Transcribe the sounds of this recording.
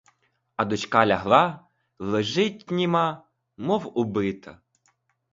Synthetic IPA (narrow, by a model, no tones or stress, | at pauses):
ɐd̪ʊt͡ʃkɑlʲɐɦlˠɑ | lˠeʒɪtʲnʲimɑ | mɔwʊbɪt̪ɐ